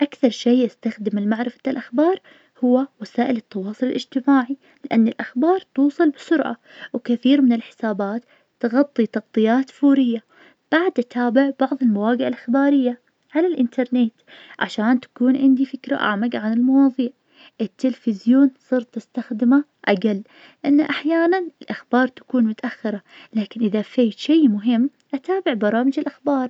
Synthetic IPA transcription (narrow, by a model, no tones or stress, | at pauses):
ʔakθɑɾˤʃeːʔast̪axd̪ɪmɪlmaʕɾɪfḁt̪alʔaxbɑːɾˤ | hʊwːawasaːʔɪlɪt̪ːɑwɑːsˤʊlɪlʔɪd͡ʒt̪ɪmaːʕi | lɪʔanːɪlʔaxbɑːɾˤt̪uːsˤɨlbɪsʊɾʔa̰ | wkaθiːɾmɪnɪlħɪ̥saːbaːt̪ː | ɣɑt̪ˤːit̪ɑqt̪ˤɨjːaːt̪fuːɾɪjːa | b̥aʕd̪ʔat̪ʰaːbɪʕbɑʕðˤɪlmawaːɡɪʔalʔɪxbaːɾɪjːa | ʕalalʔɪnt̪ʰɑɾˤneːt̪ʕa̰ʃaːnt̪ḁkuːnʕɪnd̪ifɪkɾa̰ʔa̰ʕmaɡʕanɪlmɑwɑːðˤiːʕ | ʔɪt̪ːɪlfɪzjoːnsˤɨɾt̪ˤːɪst̪axd̪ɪma | ʔaɡalː | ʔɪnːaʔaħjaːnanɪlʔaxbɑːɾˤt̪ḁkuːnmʊt̪aʔaxːɪɾˤɑ | laːkɪnʔɪðafeːt̪ʃejmʊɦɪmː | ʔat̪aːbɪʕbɑɾˤɑːmɪd͡ʒɪlʔaxbɑːɾˤ